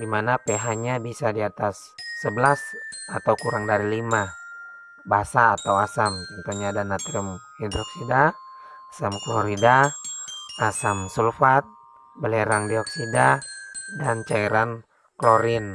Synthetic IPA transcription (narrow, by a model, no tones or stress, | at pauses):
dimanapeɦaɲabisadiat̪asː | əbəlasat̪awkuɾaŋdaɾilima | basaːt̪awasamt͡ʃɔnt̪oɲaːdanat̪ɾimhidɾɔksidaː | samklɔɾida | asamsulfat̪̚ | bəleɾaŋdiɔksidadant͡ʃaiɾan | kloɾɪn